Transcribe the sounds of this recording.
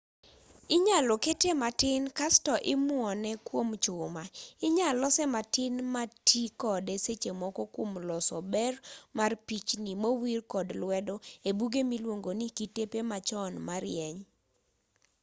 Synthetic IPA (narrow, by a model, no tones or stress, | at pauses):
ɪɲalɔketematɪnkastɔʔɪmʊɔnɛkwomt͡ʃʊmaɪɲalɔsɛmatɪnmatʰikɔdeset͡ʃemɔkɔkwomlɔsɔbɛrmarpit͡ʃnimowirkɔdlwɛdɔebuɡemilwoŋɡonikitepemat͡ʃɔnmaɾjɛɲ